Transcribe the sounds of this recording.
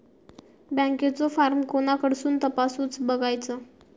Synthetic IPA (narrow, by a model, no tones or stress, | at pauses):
bə̃ŋket͡sɔfaɾmkoñakəɽsuːnt̪əpasuːt͡sbəɡajt͡sə